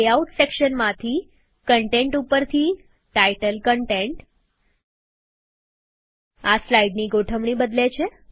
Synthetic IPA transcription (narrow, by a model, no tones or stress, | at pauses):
auʈsekʃənmãt̪ʰi | kəɳʈeɳʈupəɾt̪ʰi | ʈajʈəlkəɳʈeɳʈ | aslaiɖniɡoʈʰəʋɳ̃ibəd̪let͡ʃʰe